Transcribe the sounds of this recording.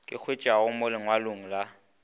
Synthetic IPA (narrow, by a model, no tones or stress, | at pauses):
kʼɪk͡xʰwet͡ʃʼaʊmʊlɪŋwalʊŋ̩la